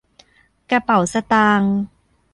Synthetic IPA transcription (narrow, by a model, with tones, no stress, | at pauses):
ka˧pa˨˩˦wsa˧t̪aː˧ŋ